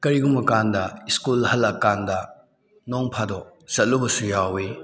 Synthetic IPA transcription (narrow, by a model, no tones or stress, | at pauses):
kɐɾiɡumɐkandɐiskulɦɐlːɐkandɐ | noŋpʰadɔsɐt̚lubɐsujawe